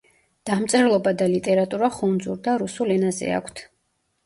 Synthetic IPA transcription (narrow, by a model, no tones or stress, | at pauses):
d̪̥amt̪sʼɛɾlˠɔbad̪alit̪ʼɛɾat̪ʼuɾaχund̪zuɾd̪aɾusulɛnazɛ̰a̰kʷʰt̪ʰ